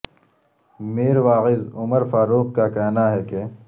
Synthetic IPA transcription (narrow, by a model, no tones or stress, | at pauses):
meːɾʋaːɣɪzʊməɾfaːɾuːqkakɛɦnaɦɛke